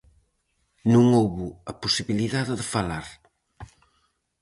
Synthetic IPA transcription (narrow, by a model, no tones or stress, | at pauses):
nũŋowβuɐpusiβiliðaðɪðɪfalaɾ